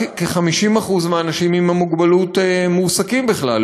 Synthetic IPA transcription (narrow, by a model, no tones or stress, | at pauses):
keχamiʃimaχuzmeanaʃimimamuɡbalutemusakimbiχla̰l